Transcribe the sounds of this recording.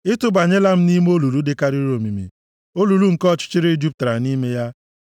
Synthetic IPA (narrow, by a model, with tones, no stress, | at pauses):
ɪ˦tʊ˦ba˨ɲe˦la˦m̩˦ni˦m˦o˦lu˨ɾu˦dɪ˦ka˦ɾi˦ɾo˨mi˨mḭ˨ | o˦lu˨ɾu˦ŋ̩˨kɔ˦t͡ʃɪ̥˦t͡ʃɪ˦ɾe˦i˦d͡ʒu˦p̚tɾa˨ni˦me˦ja˦